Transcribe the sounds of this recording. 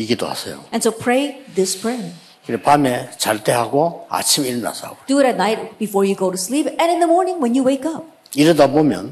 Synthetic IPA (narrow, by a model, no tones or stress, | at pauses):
iɡido̰ha̰sʰʌ̰jo̰ʔɛ̃nsoʊpʰɹ̥eɪðɪspʰɹ̥ɛ̃n | kiɾepamet͡ɕaɭteɦaɡoa̰t͡ɕʰimiɾna̰sʰaɡod̥uːɾɨt̚naɪt̚b̥ifɔɹjɨɡoʊɾuslipɛ̃nɨ̃nðəmɔɹnɪ̃ŋwɛ̃njuweɪkʌp̚ | iɾɯdabomjʌ̰n